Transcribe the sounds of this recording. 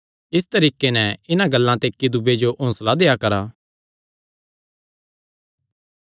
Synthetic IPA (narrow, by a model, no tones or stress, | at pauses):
ɪst̪ɐɾiːkenɛɪnãɡəlːãt̪eːkːid̪ʊbed͡ʒoʔõːslad̪eːjakɐɾaː